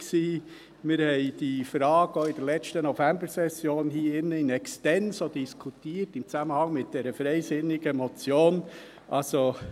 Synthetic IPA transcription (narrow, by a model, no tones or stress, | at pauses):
ksiː | mɪɾhɛɪd̥iːfɾɑːɡ̥oɪd̥əɾlɛt͡stənofɛmbəɾsɛsjoːnhiːɪnːəɪnɛkstɛnsodd̥iskʰutiːətɪmt͡samənhɑŋmɪt̚d̥ɛːɾəfɾɛɪsɪnːɪɡ̥əmot͡sjoːn | ʔɑ̰lso